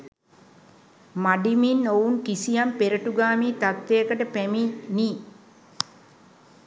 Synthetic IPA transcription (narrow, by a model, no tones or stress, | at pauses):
maɖiminowuŋkisijampeɾəʈuɡaːmiːt̪at̪ːeəkəʈəpæmini